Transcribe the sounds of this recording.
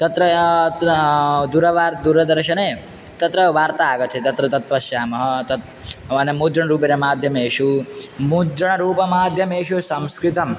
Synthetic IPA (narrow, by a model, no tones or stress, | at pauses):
t̪ɐt̪ɾɐ | d̪uɾɐʋaːɾd̪uɾɐd̪ɐɾʃɐne | t̪ɐt̪ɾɐʋaːɾt̪aːɡɐt͡ʃʰet̪ɐt̪ɾɐt̪ɐt̪ʋɐʃjaːmɐɦɐt̪ɐt̪ | ɐnemuːd̪ɾɐɳɾuːpeɾemaːd̪ʱjɐmeːʃumud̪ɾɐɳ̃ɐɾuːpɐmaːd̪ʱjɐmeːʃusɐmskɾɪt̪ɐm